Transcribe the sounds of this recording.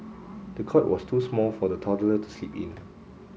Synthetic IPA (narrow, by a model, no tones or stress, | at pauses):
d̥əkʰɔtwʔɔstʰusmɔlfɔdətʰɔdələtu̥slipḭ̃n